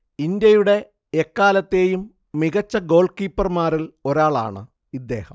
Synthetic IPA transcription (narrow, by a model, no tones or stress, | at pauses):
ind̪jɐjuɽe̞ː | kːaːlɐt̪ːe̞ːjumː | iɣɐt͡ɕːɐɡo̞ːɭkiːpːɐrmaːɾilo̞ɾaːɭa̰ːɳɨ | id̪ːe̞̰ːhɐm